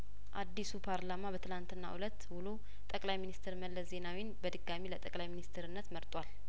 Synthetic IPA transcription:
ʔad̪ːisupʰaɾlamabət̪ʰɨlant̪ʰɨnːa̰ʔulət̪ːwulo | t̪ʼəkʼlajminist̪ʰɾməlːəsze̞nawinbəd̪ɨɡamilət̪ʼəkʼlajminist̪ʰɾɨnːət̪məɾt̪ʼwal

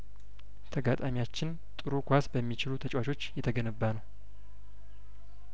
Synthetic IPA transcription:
t̪ʰəɡat̪ʼamijat͡ʃːɪn | t̪ʼɨɾukʰʷasbəmːit͡ʃɪlut̪ʰət͡ʃʼwat͡ʃʰo̞t͡ʃːjɛt̪ʰəɡənɨbːanəw

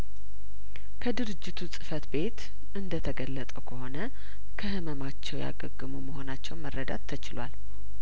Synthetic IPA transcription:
kʰəd̪ɨɾɨd͡ʒːɪt̪ʰusʼɨfət̪be̞t̪ | ʔɨnd̪ət̪ʰəɡəlːət̪ʼəwkʰəho̞nə | kʰəhɨməmat͡ʃːɛwja̰ɡəɡːɨmuməho̞nat͡ʃːɛwnmərːəd̪a̰t̪ʰːət͡ʃɪlwal

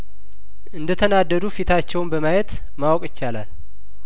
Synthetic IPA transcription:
ʔɨnd̪ət̪ʰənad̪ːəd̪ufit̪ʰat͡ʃːɛwnbəmajɛt̪ | mawkʼɪt͡ʃːalal

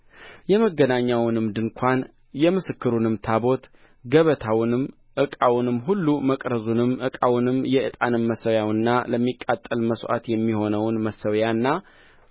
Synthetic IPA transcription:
jɛməɡːənaɲːawnɨmd̪ɨŋkʷʰan | jɛmɨsɨkːɨɾunɨmt̪ʰabo̞t̪ | ɡəβət̪ʰawnɨm | ʔɨkʼawnɨmːɦulːuməkʼɾəzunɨmːʔɨkʼawnɨmjɛʔɨt̪ʼanɨmːəsəwjawɨnːaləmːikʼːat̪ʼːəlməsʔa̰t̪jɛmːiho̞nəwnməsəwjanːa

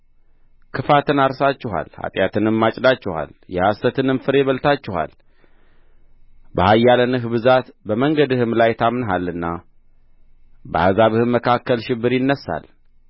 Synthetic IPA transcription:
kʰɨfat̪ɨnaɾsat͡ʃːɪɦa̰lha̰t̪ʼjat̪ʰɨnɨmːat͡ʃʼd̪at͡ʃːɪha̰ljɛhast̪ət̪ʰɨnɨmfɨɾe̞βəlt̪ʰat͡ʃːɪha̰l | bəhajːalənɨɦbɨzat̪bəməŋɡəd̪ɨhɨmlajt̪ʰamnɦalːɨnːa | bə̰hazaβɨhɨmːəkʰakːəlʃɪbːɨɾjɪnːəsːa̰l

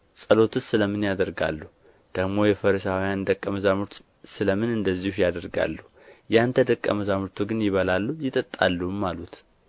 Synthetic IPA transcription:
sʼəlo̞t̪ʰɨsɨləmɨnjad̪əɾɡa̰lːuh | d̪̥əɡmo̞jɛfəɾəsawjand̪əkʼːəməzamɨɾt̪ʰ | sɨləmɨnɨnd̪əzːihhujad̪əɾɡa̰lːuh | jant̪ʰəd̪əkʼːə̰məzamɨɾt̪ʰuɡɨnjɪβəlalːujɪt̪ʼət̪ʼːa̰lːuhumːalut̪

